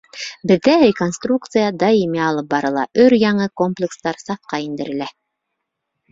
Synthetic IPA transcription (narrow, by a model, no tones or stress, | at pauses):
bɘ̆ðːæɾʲɪko̞nst̪ruk̚t̪sɨjɑd̪aimiɑlˠɤp̚bɑɾɤ̆lˠɑ̰ʔɵɾjɑɴɤko̞mplʲɪkst̪ɑɾsɑfqɑind̪ɘ̆ɾɘ̆læ